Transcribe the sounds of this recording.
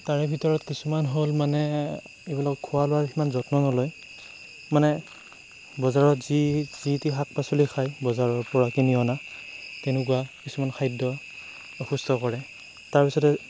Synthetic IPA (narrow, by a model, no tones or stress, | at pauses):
taɹɛbʱitɔɹɔtkisumanɦolmanɛ | ebilakɔkʰʊwalʊwaximanzɔtnɔnɔlɔj | manɛ | bɔzaɹɔtzizitiɦak̚pasolikʰajbɔzaɹɔɹpɔɹakiniɔnatɛnʊk̬uwakisumankʰajdɔ | ɔxustʰɔkɔɹɛ | taɹpisɔtɛ